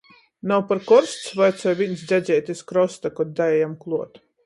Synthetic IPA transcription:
nawpaɾkɔɾsʲt̪svajt̪sɔjvinsd̪zʲæzʲɛjt̪ʲiskɾɔst̪akɔt̪̚d̪aɛjamklˠuɔt̪

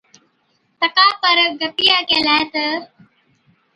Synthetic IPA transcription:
t̪ɐkaːpɐɾɡɐpijaːkelaːet̪ɐ

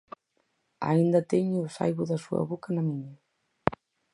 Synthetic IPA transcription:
a̰ind̪ɐt̪eɲʊːsa̰jβʊðɐsuɐ̰βokɐnɐmiɲa

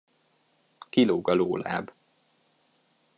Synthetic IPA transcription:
kiloːɡɒloːla̰ːb

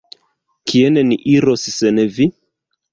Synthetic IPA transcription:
kʰieneniʔiɾo̞ssenevi

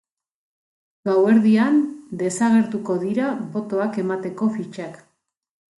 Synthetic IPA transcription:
ɡawe̞ɾðiand̪e̞saɣ̞e̞ɾt̪uko̞ðiɾaβo̞t̪o̞ake̞mat̪e̞ko̞fit͡ʃak

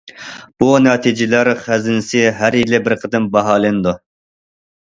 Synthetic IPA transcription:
b̥unɑːt̪ʰid͡ʒɪlæɾχæzɪnɪsɪɦæɾjilɪbɪɾqʰəd̪ɪmbɑɦɑːlˠɨnɨd̪u

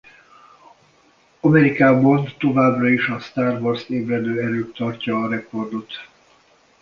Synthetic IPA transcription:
ɒmɛɾikaːbɒnt̪o̞vaːbrɒiʃɒst̪aːrvorseːbrɛd̪øːɛɾøːkt̪ɒrcɒːɾɛko̞rd̪o̞t̪

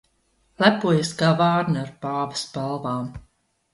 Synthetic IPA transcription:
lˠæpuɔjasɡavaːɾnaɾbaːvɨspalˠvaːm

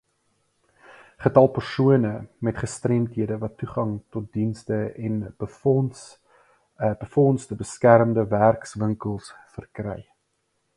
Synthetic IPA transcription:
χətɐlˠpərsuənəmɛtχəstrɛmtɦiədəvɐtːuχɐŋtɔt̚dinstəɛn | b̥əfɔnsdəbəskærmdəværksvəŋkəlˠsfərkrɛ̰j

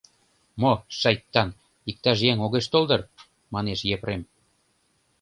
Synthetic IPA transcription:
moʃɑjt̪ːɑn | ik̚t̪ɑʒjeŋoɣeʃt̪old̪ɤr | mɑneʃjepɾem

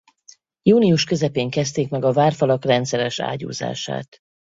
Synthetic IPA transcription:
juːnijuʃkø̞zɛpeːŋkɛst̪eːkmɛɡɒvaːrfɒlɒkrɛnt̪sɛɾɛʃa̰ːɟṵːza̰ːʃa̰ːt̪

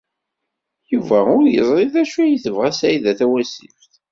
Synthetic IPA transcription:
juvæʊɾjə̰zˤɾˤiðæʃuæjθəvʁæsæjiðæθæwæsḭfθ

